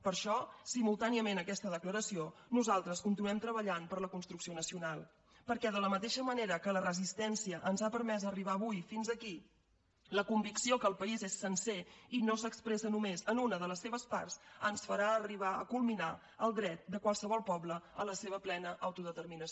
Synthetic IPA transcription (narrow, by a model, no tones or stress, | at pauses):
pəɾʃɔsimulˠt̪aniəmenəkɛst̪əðəkləɾəsionuzalˠt̪ɾəskunt̪inuɛmt̪ɾəβəʎanpəɾləkunst̪ɾuksionəsiunalˠ | pəɾkɛðələmət̪eʃəməneɾəkələrəzist̪ɛnsiəʔənzapəɾmɛzəriβ̞aəβujfinzəki | ləkumbiksiokəːlˠpəizesːənseinosəkspɾɛsənumezənunəðələsːeβəspa̰rsənsfəɾaːriβ̞aə̰kulˠmina | əlˠd̪ɾɛt̪̚d̪əkwalˠsəβɔlˠpɔbləələseβ̞əplɛnəʔəwt̪uðət̪ərminəs